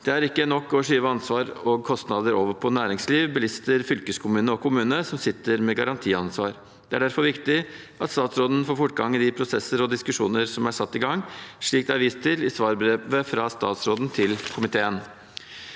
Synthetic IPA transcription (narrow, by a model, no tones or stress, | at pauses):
d̪̥ɛæɾɪkːənɔkːɔʂyːʋəɑnsʋɑːɾɔɡkʰɔst̪nɑd̪əɾoːʋəɾpʰɔnæːɾɪŋsliːʋbəlɪst̪əɾfʏlkəskʰʊmʉːnəɔkʰʊmʉːnəsɔmsɪt̪ːəɾmɛɡɑɾɑnt̪ʰiːɑnsʋɑːɾ | d̪̥ɛæɖæɾfɔɾʋɪkt̪ɪ | ʔɑt̪st̪ɑːt̪sɾoːd̪n̩foːɾfʊʈːɡɑŋɪd̪ɪpʰɾʊsɛsəɾɔd̪ɪskʉʂuːnəɾsɔmæsɑt̪ːɪɡɑŋːʂɭiːk̚d̪æɾʋist̪ʰɪlɪsʋɑːɾbɾeːʋəfɾɑst̪ɑ̰ːt̪sɾoːd̪n̩t̪ʰɪlkʰʊmɪt̪ʰeːən